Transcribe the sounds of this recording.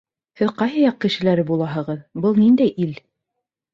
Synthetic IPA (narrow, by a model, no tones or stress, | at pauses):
hɘðqɑjɦɑjɑq̚kɘ̆ʃɘ̆læɾɘbulˠɑɦɤ̆ʁɤðbɤlˠnind̪æjʔil